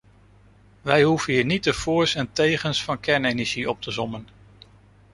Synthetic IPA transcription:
ʋɛjɦuv̥ənɦiːɹnit̚dəv̥ʊːɹsɛntejχənsfɑnkɛɹnejnəʒiɔp̚təzɔmən

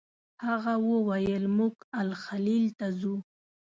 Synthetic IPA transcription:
haɣawəwajəlmuɡalxalilt̪azu

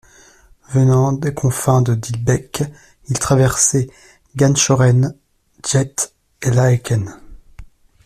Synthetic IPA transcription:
vənɑ̃d̪ekʰɔ̃fɛ̃d̪əd̪ilbɛk | ilt̪χavɛʁsɛ | ɡanʃɔʁɛn | ʒɛt̪ | elaekʲɛn

